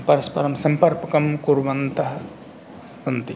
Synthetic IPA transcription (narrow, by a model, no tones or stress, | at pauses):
pɐɾɐspɐɾɐmsɐmpɐɾpɐkɐmkuɾʋɐnt̪ɐɦɐ | sɐnt̪i